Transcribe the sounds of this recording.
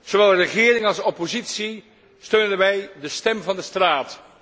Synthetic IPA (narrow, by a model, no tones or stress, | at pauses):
z̥oʋɛlˠrəχɪːrɪŋɑlˠsɔpozitsi | støɥndənʋɛjdəstɛmvɑndəstraːt